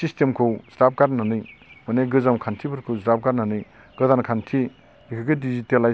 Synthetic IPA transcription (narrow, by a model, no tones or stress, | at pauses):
sistemkʰɯwsɾap̚ʰkaɾnanɯjmaneɡɯzamkʰantʰibɯɾkʰɯwzɾap̚kaɾnanɯj | ɡ̥ɯzankʰantʰi | ikʰɯɡɯdizitela